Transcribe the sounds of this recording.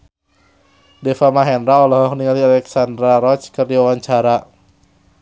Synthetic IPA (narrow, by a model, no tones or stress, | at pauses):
dɛfamaɦɛnɾaɔlɔɦɔkniŋalialɛksandɾaɾɔt͡ʃkɨrdiwawaɲt͡ʃaɾa